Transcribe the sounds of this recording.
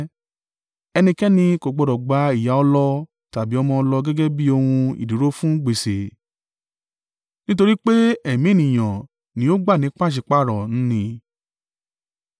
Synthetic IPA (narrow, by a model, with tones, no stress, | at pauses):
ɛ˧nĩ˧kɛ˦nĩ˧ko˨ɡ͡bɔ˨dɔ˨ɡ͡ba˨˦i˨ja˨˦ɔ˧lɔ˧ | ta˨bi˨˦ɔ˧mɔ̃˧lɔ˧ɡɛ˦ɡɛ˦bi˦o˧hũ˧ḭ˨du˨˦ɾo˦fũ˦ɡ͡be˨se˨ | nĩ˦t̬o˧ɾi˦k͡pe˦ɛ˦˨mĩ˨˦˨nĩ˨j̃ã˨ | nĩ˨˦o˦ɡ͡ba˦˨nĩ˨˦k͡pa˦˨ʃ̬i˨k͡pa˦˨ɾɔ˨ñ̩˦nĩ˧